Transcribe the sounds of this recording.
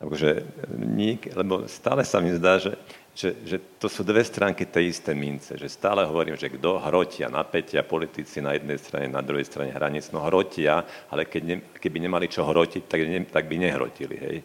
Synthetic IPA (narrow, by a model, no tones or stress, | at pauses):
ʔakɔʒɛɲiɛklɛbɔ̰st̪aːlɛsamizd̪aːʒɛ | ʒ̥ɛʒɛt̪ɔsuːd̪ʋɛst̪ɾaːŋkit̪ɛjist̪ɛmint͡sɛ̰ʒɛst̪aːlɛɦɔʋɔɾiːmʒɛɡd̪ɔɦɾɔcɪa̰na̰pɛcɪapɔlit̪it͡sinajɛd̪̚nɛjst̪ɾa̰ɲɛ̰na̰d̪ɾuɦɛjst̪ɾa̰ɲɛ̰ɦɾʔa̰ɲit͡snɔɦɾɔcɪaalɛkɛɟɲɛ | kɛbiɲɛmalit͡ʃɔɦɾɔcic̚t̪aɡɛt̪aɡ̚biɲɛɦɾɔ̰cilḭɦɛ̰j